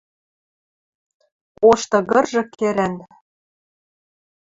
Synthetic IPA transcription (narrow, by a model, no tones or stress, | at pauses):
oʃt̪ɤ̆ɣɤ̆rʒɤ̆kʰeɾæn